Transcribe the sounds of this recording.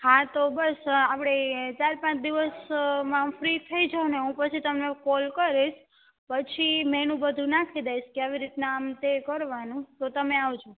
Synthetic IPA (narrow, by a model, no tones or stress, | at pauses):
hat̪obəsapɽ̃et͡ʃaɾpãt͡ʃd̪iʋəsmãfɾit̪ʰəid͡ʒaneɦũpət͡ʃʰit̪əmnekolkəɾiʃ | pət͡ʃʰimɛnũbəd̪ʱũnakʰid̪ajʃkeaʋiɾit̪naːmt̪ekəɾʋanũt̪ot̪əmeaʋt͡ʃʰõ